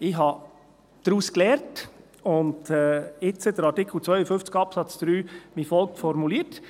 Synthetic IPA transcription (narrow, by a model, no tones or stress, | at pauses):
ɪɦɑ | d̪̥ɾuːsklɛːɾt | ʊndɛɪt͡səd̪əɾɑɾtɪkʰl̩ˠt͡sʋœʏəfʏft͡skɑpsɑt͡sd̥̪ɾyːmifɔlˠk̚tfɔɾmuliət